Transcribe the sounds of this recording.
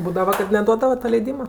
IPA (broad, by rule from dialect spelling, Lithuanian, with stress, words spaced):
ˈbuːdɐʋɐ kɐt nʲɛˈduɔdɐʋɐ tɐ lʲɛɪˈdʲiːmɐ